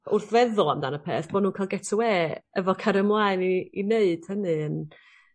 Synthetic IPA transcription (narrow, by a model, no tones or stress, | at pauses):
ʊrθvɛðʊlˠamdanəpʰḛːθb̥ɔdnuːnkʰalˠɡɛtʰʊweːəvɔkʰaɾəmlˠaɨniineɨd̥hənɨən